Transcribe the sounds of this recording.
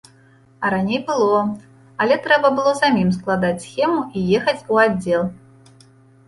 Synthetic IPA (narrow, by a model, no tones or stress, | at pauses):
ɐɾanʲejbɨlˠɔ | ɐlʲɛt̪ɾɛbɐbɨlˠɔzamʲims̬klˠad̪at͡sʲsxʲɛmuʔijɛxɐt͡sʲuadd͡zʲːɛlˠ